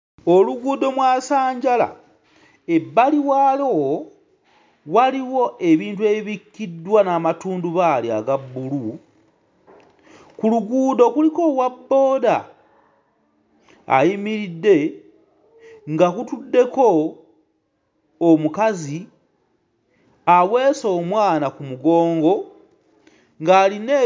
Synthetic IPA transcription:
o̞luɡuːdo̞mwaːsaːɲɟala̰ | ebːaliwaːlo | waliwo̞e̞βiːntue̞iβikːidwanaːmatuːnduβalia̰ɡabːulu | kuluɡuːdo̞kuliko̞wabːo̞ːda | a̰jimiɾidːe̞ | ŋɡakutudːe̞ko̞ | mukazi | awe̞ːso̞ːmwaːnakumuɡo̞ːŋɡo̞ | ŋɡaːline

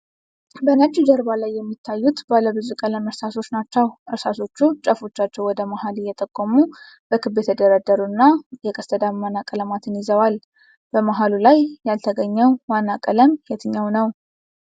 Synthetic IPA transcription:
bənat͡ʃːid͡ʒəɾbalajːɛmːit̪ʰːajːut̪baləβɨzukʼələməɾsaso̞t͡ʃːnat͡ʃːɛwʔɨɾsaso̞t͡ʃːut͡ʃʼəfo̞t͡ʃːat͡ʃːɛwɔd̪əmahalɨjːɛt̪ʼəkʼːomu | b̥əkʰɨbːet̪ʰəd̪əɾad̪əɾuɨnːajɛkʼəst̪ʰəd̪amːanːakʼələmat̪ʰɨnizəwal | b̥əmaɦalulajːalt̪ʰəɡəɲːəwwanːakʼələmjɛt̪ʰɨɲːawnəw

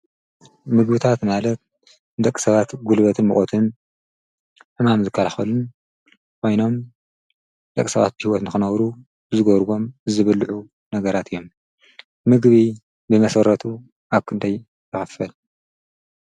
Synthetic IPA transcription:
mɨɡbɨt̪ʰat̪malɐt̪̚ | d̪ɐkʼːi̥sɐβat̪ɡulβɐt̪ʰɨnmɨxʼot̪ʰɨn | ħɨmamzɨkʰːɐlaxɐlun | kʰo̞jno̞m | d̪ɐkʼːisɐβa̰t̪̚bɨhiwɔt̪nɨxɨnɐwɾu | bɨzɨɡoɾɡo̞mɨzɨβɨlʕu | nɐɡɐɾat̪ʰɨjːo̞m | mɨɡβi | bɨmɐsɐɾɐt̪ʰu | aβkʰɨnd̪ʰaj | jɨxɨfɐl

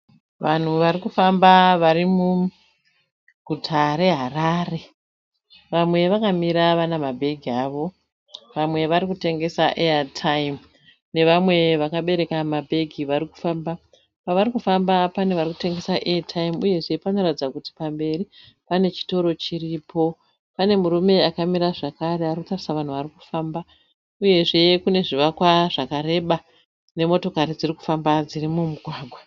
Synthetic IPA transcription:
ʋan̤uʋaɾikufambaʋarimu | ɡʱutʰaɾe̞ɦaraːre̞ | ʋamwe̞ʋakamiɾaʋanamabʱe̞ɡʱiaːʋo̞ | ʋamwe̞ʋaɾikute̞ŋɡe̞saʔeatʰaim | ne̞ʋamwe̞ʋakaɓe̞ɾe̞kamabʱe̞ɡʱiʋaɾiku̥faːmba | paʋaɾikufambapane̞ʋariku̥te̞ŋɡe̞saʔeatʰaimuje̞ʐe̞pano̞ratid͡zakuti̥pambe̞ri | pane̞t͡ʃi̥to̞ɾo̞t͡ʃiriːpo̞ | pane̞muɾume̞akamiɾaʐakaɾearikutarisaʋan̤uʋariku̥faːmba | uje̞ʐe̞kune̞ʐiʋakwaʐakaɾe̞ɓa | ne̞mo̞to̞kaɾid͡ziriku̥fambad͡zirimumuɡʱwaːɡʱwa

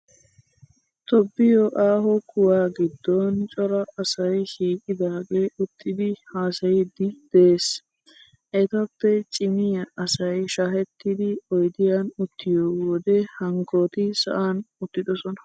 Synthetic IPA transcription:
t̪ɔbːɪjoʔaːɦɔkʊwaːɡɪd̪ːɔnt͡ʃʼɔɾɐɐsɐjʃiːkʼɪd̪aːɡe̞ːʔʊt̪ːɪd̪ɪhaːsɐjɪd̪ɪd̪̥eːs | ʔɛt̪ɐpːɛt͡ʃʼɪmɪjɐʔɐsɐjʃaːɦɛt̪ːɪd̪ɪɔjd̪ɪjanʊt̪ʰːɪjoːwɔːd̪ɛhɐŋkoːt̪ɪsɐ̰ʔaːnʊt̪ːɪd̪ɔsɔnɐ̥

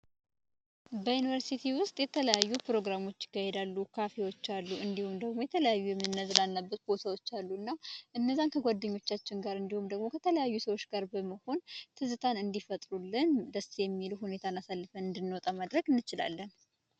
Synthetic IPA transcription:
bəjunivəɾsit̪ʰiwʊst̪ʼjɛt̪ʰələjajːupɾo̞ɡɾamo̞t͡ʃːɪ̥kːahed̪alːukʰafewo̞t͡ʃːalːuʔɨnd̪ihumd̪əɡmo̞jɛt̪ʰələjajːujɛmːɨnnːəzɨlanːəbːət̪̚ɡosəwo̞t͡ʃːalːuɨnːaʔɨnːəzːankʰəɡʷad̪ːəɲːo̞t͡ʃːat͡ʃːɪŋɡaɾɨnd̪ihumd̪əɡmo̞kʰət̪ʰələjajːusəwo̞t͡ʃːɡaɾbəməho̞nt̪ʰɨzɨt̪ʰanɨnd̪ifət̪ʼɾulːɨnd̪əsijɛmːiluhune̞t̪ʰanasalːɨfəɨnd̪ɨnːwot̪ʼamad̪ɾəɡɨnːɨt͡ʃɪla̰lːən

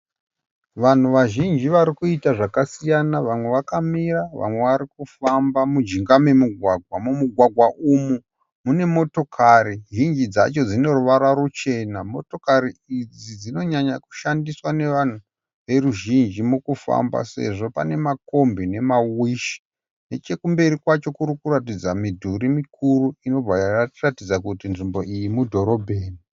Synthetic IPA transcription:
ʋan̤uʋaʒind͡ʒiʋaɾikuitaʐakasijanaʋamwe̞ʋakamiraʋa̰mwe̞ʋaɾikufambamud͡ʒiŋɡame̞muɡʱwaɡʱwamumuɡʱwaɡʱwaʔumu | mune̞mo̞to̞kʰaɾiʒind͡ʒid͡za̰t͡ʃo̞d͡zino̞ruʋaɾwaɾut͡ʃe̞namo̞to̞kaɾiid͡zid͡zino̞ɲaɲaku̥ʃandiswane̞ʋan̤u | ʋe̞ruʒind͡ʒimukufa̰mba̰se̞̰ʐo̞pane̞mako̞mbine̞mawiʃi̥ | ne̞t͡ʃe̞kumbe̞ɾikwat͡ʃo̞kuɾukuɾat̬id͡zamidʱuɾimikuruino̞b͡vʱaaratid͡zakutinʐimbo̞ʔijimudʱo̞ɾo̞bʱeːni

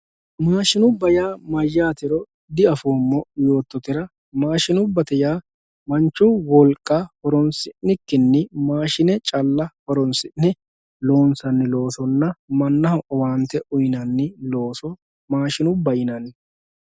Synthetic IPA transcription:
maːʃɪnʊbɐjaːmɐjːaːt̪ɪɾɔ | d̪ɪɐfoːmːɔjo̞ːt̪ːɔt̪ɪɾɐ | maːʃɪnʊbːɐt̪ɛjaː | mɐnt͡ʃːʊwɔlkʼːahɔɾɔnsɪʔːɪkːɪnːɪmaːʃɪnɛt͡ʃʼɐlːɐhɔɾɔnsɪʔnɛ | lo̞ːnsɐnːɪlo̞ːsɔnːɐmɐnːɐhɐʔɔwaːnt̪ːɛʔʊjɪnɐnːɪlo̞ːsɔ | maːʃɪnʊbɐjɪnɐnːɪ

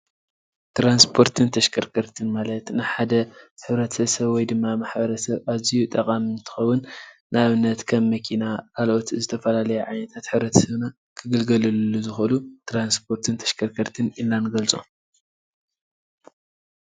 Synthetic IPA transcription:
t̪ɾanspʰo̞ɾt̪ʰɨnt̪ʰɐʃkʰɐɾkʰɐɾt̪ʰɨnmalɐt̪nɨħad̪ɐħɨβɾɐt̪ʰɐβsɐβwɔjd̪ɨmːamaħbɐɾɐsɐβaβzijut̪ʼɐkʼamnt̪ʰɨ̥xɐwʊnː | ɨaβɨnːɐt̪kʰɐmːɐkʰinakʰalʔo̞t̪zɨt̪ʰɐfɐlalɐjɛʕajnɐt̪ʰat̪ħɨβɾɐt̪ʰɐ̥sɐβna | kʰɨɡɨlɡɐlɨllːuzɨxlut̪ʰɾanspʰo̞ɾt̪ʰɨnt̪ʰɐ̥ʃkʰɐɾkʰɐɾt̪ʰɨnʔilːanɨɡɐlt͡sʼo̰m

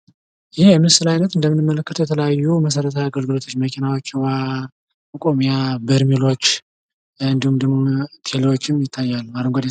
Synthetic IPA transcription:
jɪhjɛmɨnsɨlajnət̪ɨnd̪əmːɨnːɨmːələkːət̪ʰəwjɛt̪ʰələjajːuməsəɾət̪ʰəjaɡəlɡɨlo̞t̪ʰo̞t͡ʃːməkʰinawo̞t͡ʃːwa | ɨkʼomijabəɾmilo̞t͡ʃː | ɨnd̪ihumd̪əhmot̪ʰelewot͡ʃːɪmjɪt̪ʰːajːalːuaɾəŋɡʷod̪

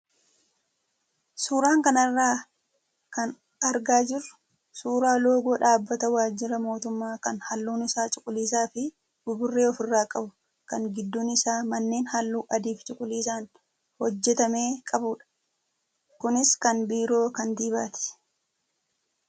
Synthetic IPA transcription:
suːɾaːŋkɐnɐrːaː | kɐn | ɐɾɡaːd͡ʒɪrːʊ̥ | suːɾaːlo̞ːɡoːᶑaːbːɐt̪ɐwaːd͡ʒːɪɾɐmo̞ːt̪ʊmːaːkɐnhɐlːuːnɪsaːt͡ʃʼʊkʼʊliːsaːfɪ | bʊbʊrːe̞ːɔfɪrːaːkʼɐbʊ | kɐŋɡɪd̪ːuːnɪsaːmɐnːe̞ːnhɐlːuːʔɐd̪iːft͡ʃʼʊkʼʊliːsaːn | hɔd͡ʒːɛt̪ɐme̞ːkʼɐbuːᶑɐ̥ | kʊnɪskɐnbiːɾo̞ːkɐnd̪iːba̰ːt̪ɛ̥

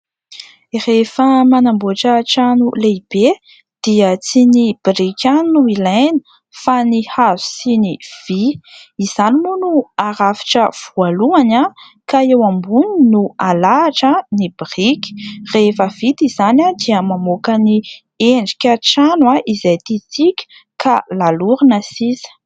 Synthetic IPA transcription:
refəmanamboʈ͡ʂəʈ͡ʂanuleib̥e | d̪̥iət͡sinib̥irikʲannuilajnə̥ | fanihazi̥siniv̥iiz̥animunuaɾafi̥ʈ͡ʂəv̥ualuana | kaewambuninualaːʈ͡ʂənibirikʲi̥refəvit̪izanad̪iəmamokəni | eɳɖ͡ʐi̥kʲaʈ͡ʂanwaizajt̪it͡sikʲə̥ | kʰalaluɾinəsisə̥

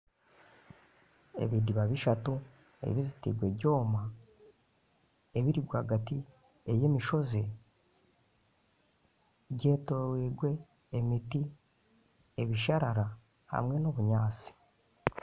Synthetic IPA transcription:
e̞̰βidiβaβiʃatu | ḛβizitḭɡwe̞ɟo̞ːma | eβiɾiɡwaːɡati | ejemiʃo̞ze̞ | ɟe̞ːtoɾweɡwe̞ː | miti | eβiʃaɾaɾa | ha̰mŋe̞noβuɲaːt͡si̥

